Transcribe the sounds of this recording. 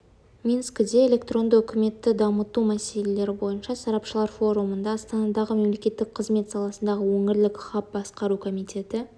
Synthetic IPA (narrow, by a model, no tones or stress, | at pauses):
mʲinskʲd̪e̞elʲe̞kt̪ro̞nd̪əʏkʲʰɪme̞t̪ːɪd̪ɑmət̪umæse̞le̞le̞ɾɪbo̞jənʃɑsɑɾɑpʃəlˠɑɾfo̞ɾumənd̪ɑːst̪ɑnɑd̪ɑʁəme̞mle̞kʲe̞t̪ːɪk̚qʰəzme̞t̪sɑlˠɑsənd̪ɑʁəwɵŋɪɾlɪkχɑp̚bɑsqɑɾukʰo̞mijt̪e̞t̪ɪ